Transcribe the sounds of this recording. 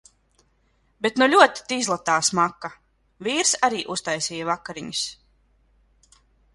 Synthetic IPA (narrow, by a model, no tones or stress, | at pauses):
bet̪nuʎʲuɔt̪i̥t̪iizlˠat̪aːsmakːa | viːɾsaɾiːʔust̪ajsiːjavakːaɾiɲus